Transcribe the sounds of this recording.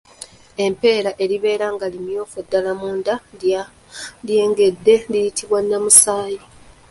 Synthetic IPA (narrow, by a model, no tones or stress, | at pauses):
e̞mpe̞ːɾaʔe̞liβe̞ːɾaŋɡalimjo̞ːfodːalamuːnda | lje̞ːŋɡe̞d̪ːe̞lijitʰiβwanːamusaːji